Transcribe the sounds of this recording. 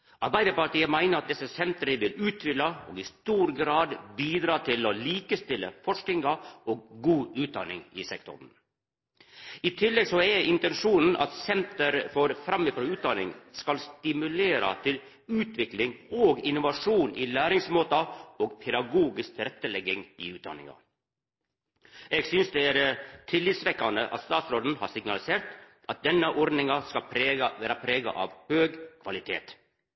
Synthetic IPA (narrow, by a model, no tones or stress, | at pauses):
ʔɑɾbæɪd̪əɾpɑʈiːəmæɪnəɾɑt̪̚d̪ɛsəsɛnt̪əɾəʋɪlʉːt̪ʰʋɪlːɑo̰ːɡɪst̪uːɾɡɾɑːd̪biːd̪ɾɑːt̪ʰɪloliːkəst̪ɪlə̰fɔʂknɪŋɑoːɡ̚ɡuːʉːt̪̚d̪ɑ̰nɪ̰ŋɪ̰sɛkt̪ʰʊ̰ɾn | ɪt̪ʰɪlːɛɡsɔɛʔɪnt̪ɛnʂuːnn̩ʔɑ̰t̪sɛnt̪əɾfɔɾfɾɑmːɪfɾoːʉːt̪̚d̪ɑnɪ̰ŋskɑlst̪ɪmʉleːɾə̰t̪ʰɪl | ʉːt̪ʰʋɪklɪŋoːɡɪnʊʋɑʂuːniːlæːɾɪŋsmoːt̪ɑoːɡpʰɛd̪ɑɡuːɡɪsk̚t̪ʰɪɾɛt̪ːəlɛɡːɪŋḭːʉːt̪̚d̪ɑ̰nɪ̰ŋɑ̰ | eːɡsʏnsd̪ɛæɾt̪ʰɪlːɪt̪sʋɛkːɑnd̪əʔɑ̰t̪st̪ɑːt̪sɾoːd̪n̩hɑ̰ːɾsɪɡnɑlɪseːɾt̪ | ʔɑt̪̚d̪ɛnːəʔɔɾd̪nɪŋɑskɑlpʰɾeːʋæːɾɑpʰɾeːɡɑ̰ʔɑ̰ːʋhøːɡkʰʋɑlɪt̪ʰḛːt̪